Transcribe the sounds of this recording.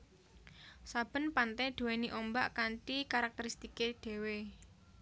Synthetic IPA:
sab̥ə̤npant̪ɛɖ̪̥ṳweniʔɔmba̰ʔkaɳʈikaɾak̚t̪əɾist̪ikeɖ̥e̤we

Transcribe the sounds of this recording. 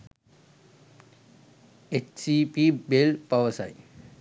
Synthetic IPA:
et͡ʃsipibelpɐʋəsa̰j

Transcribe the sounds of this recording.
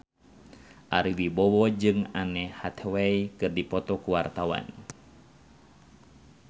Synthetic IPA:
ʔaɾiwibɔwɔd͡ʒɨŋanɛhat̪ʰɛwɛikɨrdipɔt̪ɔkuwart̪awa̰n

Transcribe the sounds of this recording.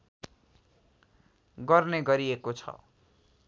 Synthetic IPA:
ɡʌrneɡʌɾiekot͡sʰʌ̰

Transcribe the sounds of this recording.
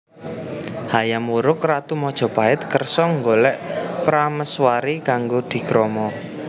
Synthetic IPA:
hajamuɾʊkrat̪umɔd̥ʒ̥ɔ̤b̥a̤ɪt̪̚kərsɔŋɡolɛʔpɾaməswaɾikaŋɡod̪̥i̤kɾɔmɔ

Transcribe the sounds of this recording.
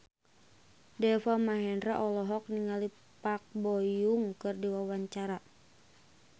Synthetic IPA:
dɛfamaɦɛndɾaʔɔlɔɦɔk̚niŋali | pak̚bɔjuŋkɨrdiwawaɲt͡ʃaɾa

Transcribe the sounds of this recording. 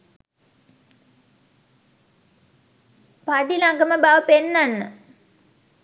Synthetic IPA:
paɖilaɡəməbaʋəpenːanːə

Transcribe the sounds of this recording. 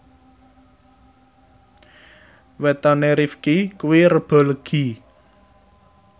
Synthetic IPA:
wɛt̪ɔneɾifkikuwirəb̥ɔ̤ləɡ̥i

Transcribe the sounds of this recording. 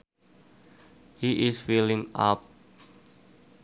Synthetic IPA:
hiʔɪsfilɪ̃ŋa̰p̚

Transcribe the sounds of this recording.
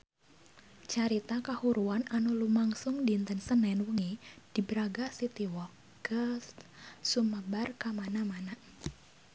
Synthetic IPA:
t͡ʃaɾit̪akahuɾuananulumaŋsʊŋdint̪ənsənɛnwuŋid̥ibɾaɡasit̪iwɔ | ɡəssuməbarkamanamana

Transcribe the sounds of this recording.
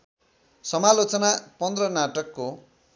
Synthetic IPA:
sʌmalot͡sʌnapʌnd̪rʌnaʈʌkːo

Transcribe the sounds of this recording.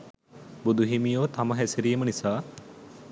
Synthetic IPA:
bud̪uɦimijoːt̪aməɦɛsiɾijəmənisaː

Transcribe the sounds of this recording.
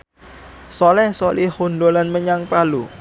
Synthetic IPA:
sɔlɛhsolʔihunɖolanməɲaŋpalu

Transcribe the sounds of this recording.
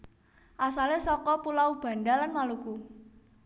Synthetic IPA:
ʔasalesɔkɔpulawub̥a̤ndalanmaluku

